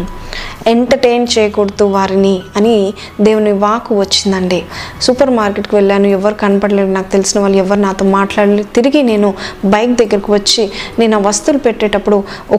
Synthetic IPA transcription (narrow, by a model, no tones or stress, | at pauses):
eɳʈɐɾʈejnt͡ʃɛːjɐkoɽɐt̪uʋaːɾiniɐni | d̪eːʋuniʋaːkuʋɐt͡ʃːind̪ɐɳɖisupɐɾmaːɾkeʈkiʋeɭːaːnuɛʋːɐɾikɐnɐpɐɽɐleɽnaːkut̪e̞lisinɐʋaːɭːuɛʋːɐɾunaːt̪o̞ːmaːʈlaːɽlit̪iɾiɡine̞ːnubɐjk̚d̪ɐɡːɐɾɐkiʋɐt͡ʃːineːnɐʋɐst̪ulupeʈːeːʈɐpːuɽu | ɔ